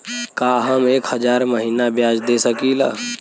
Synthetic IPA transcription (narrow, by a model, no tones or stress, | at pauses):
kaːɦəmeːkhəd͡ʒaːɾməɦiːnabjaːd͡ʒd̪esəkiːlaː